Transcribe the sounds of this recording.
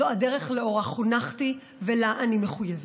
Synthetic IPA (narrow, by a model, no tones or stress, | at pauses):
oadeʁeχleo̞ʁaχunaχti | velaʔanimeχujev